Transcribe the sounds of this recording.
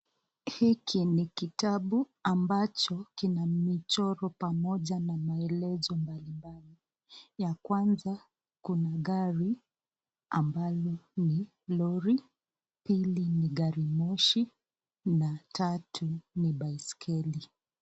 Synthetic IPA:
hikʰinikitaɓu | ambat͡ʃɔkinamit͡ʃɔɾɔpamɔʄanamaɛlɛzɔmbalimbali | jakwanza | kunaɠaɾi | ambalɔni | lɔɾi | piliniɡaɾimɔʃi | natʰatʰuniɓaiskʰɛli

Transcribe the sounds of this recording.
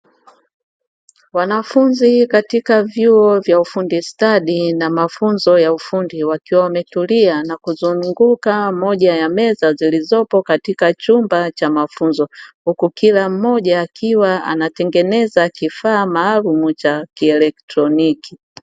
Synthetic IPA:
wanafunzikatikavjuɔvjaufundistaɗinamafunzɔjaufundiwakiwaamɛtulianakuzuŋŋɡukamɔʄajamɛzazilizɔpɔkatikat͡ʃumbat͡ʃamafunzɔhukukilam̩mɔʄaːkiwaa̰natɛŋɡɛnɛzakifaːmaːlumut͡ʃakiɛlɛktɾɔniki

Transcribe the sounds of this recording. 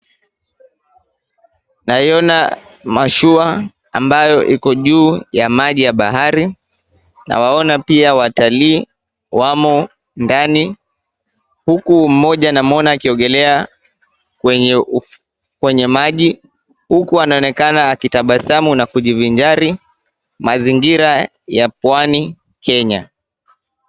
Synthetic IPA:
naiɔna | maʃua | ambajɔʔikɔʄuːjamaʄijaɓa̰ɦaɾi | na̰waɔnapiawataliː | wamɔ | ndani | hukum̩mɔʄanam̩ɔnaːkiɔŋɡɛlɛa | kwɛu | kwɛɲɛmaʄi | hukuanaɔnɛkanaːkitaɓasamunakuʄiviɲd͡ʒaɾi | maziŋɡiɾa | japwani | kɛɲa̰

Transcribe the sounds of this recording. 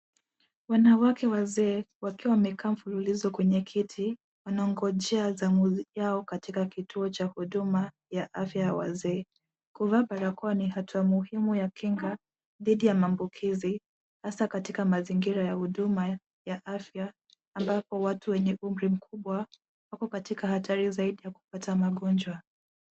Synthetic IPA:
wanawakɛwazɛːwakiwawamɛkaːm̩fululizɔkwɛɲɛkʰitʰi | wanaɔŋɡɔʄɛazamuzjaɔkatikakitʰuɔt͡ʃahuɗuma | jaʔafjajawa̰zɛː | kuvaɓaɾakuwanihatʰuamuhimujakʰiŋɡa | ðiɗijamaːmbukʰizi | hasakatikamaziŋɡiɾajahuɗuma | jaʔafjaː | mbapɔwatuwɛɲɛʔum̩ɾim̩kʰuɓwa | wakɔkatikahatʰaɾizaiɗijaku̥patamaɠɔnd͡ʒwa

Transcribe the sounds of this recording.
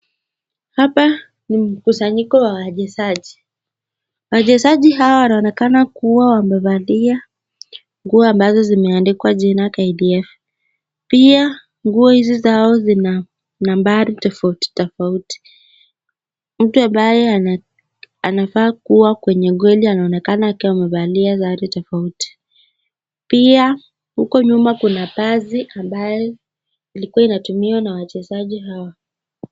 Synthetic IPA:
hapa | nim̩kusaɲikɔwawaʄɛsaʄi | waʄɛsaʄiɦawawanaɔnɛkanakuwawambavalia | ŋɡuɔambazɔzimɛandikwaʄɛnakaiɗiɛf | pia | ŋɡuɔhizizaɔzina | nambaɾitɔfauti̥tɔfauti̥ | m̩tuambajɛ | anafaːkuwakwɛɲɛɠwɛlianaɔnɛkanaːkiwamɛɓaliazaɾitɔfauti̥ | pia | hukɔɲumakunapaziʔambajɔ | ilikuwainatumiwanawat͡ʃɛzaʄiɦawa

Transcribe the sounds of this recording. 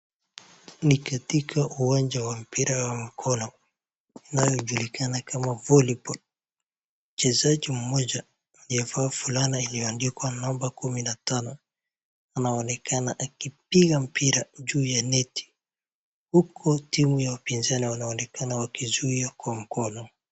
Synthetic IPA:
nikatikʰaʔuwand͡ʒawam̩piɾawam̩kʰɔnɔ | inajɔʄulikanakamavɔlipɔl | m̩t͡ʃɛzad͡ʒim̩mɔd͡ʒaː | liɔfaːfulaniiliɔandikwanɔmbakuminatanɔ | anaɔnɛkʰanaʔakipiɣam̩piɾad͡ʒuːjanɛti̥ | hukʰɔtimujawapinzaniwanaɔnɛkanawakizuiakwam̩kɔnɔ

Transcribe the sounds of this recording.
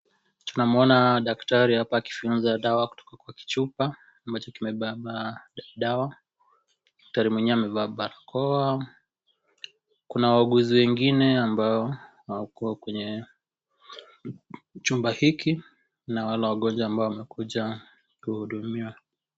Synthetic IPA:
tunamɔnaɗaktaɾihapaːki̥funzaɗawaku̥tɔ̥kakwaki̥t͡ʃupa | ambat͡ʃɔkimɛɓaɓaɗaɗawa | ɗak̚taɾimwɛɲiamɛvaːɓaɾakʰɔa | kunawaaɡuziwɛŋɡinɛambaɔhawakuakwɛɲɛ | t͡ʃumbahiki | nawalawaɠɔnd͡ʒwaːmbaɔwamɛkuʄa | kuhuɗumiwa

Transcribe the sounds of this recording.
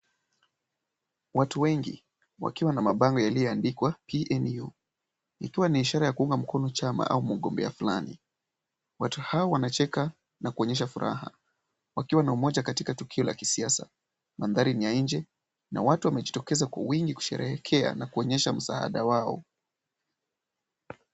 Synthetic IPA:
watuwɛŋɡḭ | wa̰kiwanamaɓaŋɡɔjalijɔandikwapiʔɛnju | ikiwaniːʃaɾajakuuŋɡam̩kɔnɔt͡ʃama̰ʔa̰umuɠɔmbɛ̰afula̰nḭ | watuhaɔwanat͡ʃɛka | nakuɔɲɛʃ̬afuɾʔa̰ha̰ | wakiwanaumɔʄakatikatukʰiɔla̰ki̥siasa | manðaɾinijaiɲd͡ʒɛ | na̰watuwamɛʄitɔkɛzakwa̰wiŋɡiku̥ʃɛ̰ɾɛhɛkʰɛa̰nakuɔɲɛʃam̩sa̰ha̰ɗawaɔ̰

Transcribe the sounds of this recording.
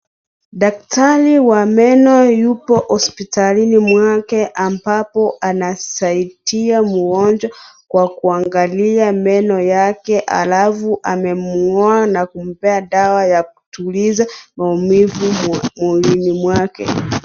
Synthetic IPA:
ɗak̚taɾiwamɛnɔjupɔhɔspitalinimwakɛʔambapɔʔanasaitiamuɡɔnd͡ʒwakwakuaŋɡaliamɛnɔjakɛʔa̰lafuʔamɛmɔanakum̩pɛaɗawajak̚u̥tulizamaumivumulinimwakɛ̰

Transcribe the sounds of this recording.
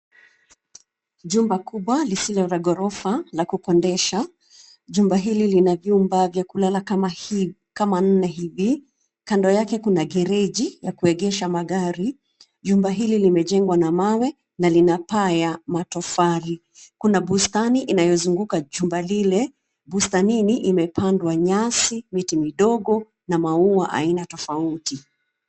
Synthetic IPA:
ʄumbakuɓwalisilɔɾaɡɔɾɔfalakukɔndɛʃa | ʄumbaɦililinavjumbavjakulalak | kaman̩nɛɦivi | kandɔjakɛkunaɡɛɾɛʄijakuɛɠɛʃamaɠaɾi | ʄumbaɦililimɛʄɛŋɡwanamawɛ | nalinapajamatɔfaɾi | kunaɓustaniʔinajɔzuŋɡukaʄumbalilɛ | ɓustaniniʔimɛpʰandwaɲasimitimiɗɔɠɔ | namauaʔa̰inatɔfauti

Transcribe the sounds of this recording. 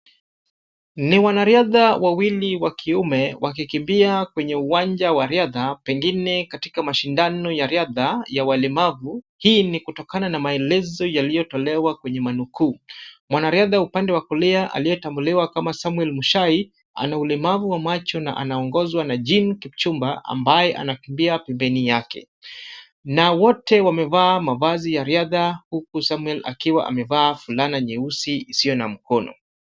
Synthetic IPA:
niwanaɾiaðawawiliwakʰiumɛwʔak̬ikimbiakwɛɲɛuwaɲd͡ʒawaɾiaðapɛŋɡinɛkati̥kamaʃindanɔjaɾiaðajawalɛmavu | hiːnikutɔkananamaɛlɛzɔjalijɔtɔlɛwakwɛɲɛmanukuːmwanaɾiaðaupandɛwakɔlɛaʔa̰lijɛtambuliwakamasamuɛlmuʃai | a̰naulɛmavuwamat͡ʃɔna̰ʔa̰naɔŋɡɔzwanad͡ʒinkipt͡ʃumbaʔa̰mbajɛʔa̰nakimbiapɛmbɛnijakɛ̰ | nawɔtɛwamɛvaːmavazijaɾiaðahukusamuɛla̰kiwa̰ʔa̰mɛvaːfulanaɲɛusiisijɔnam̩kɔnɔ̰

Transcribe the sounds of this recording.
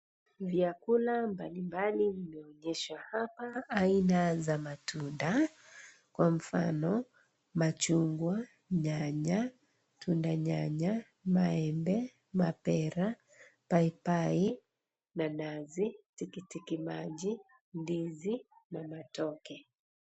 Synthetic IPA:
viakulambalimbalivimɛɔɲɛʃwahapaːinazamatunda | kwam̩fa̰nɔ | mat͡ʃuŋɡwa | ɲaɲa | tʰundaɲaɲa | maɛmbɛ | mapɛɾa | paipai | nanazitikitikimaʄi | ndizinamatɔkɛ

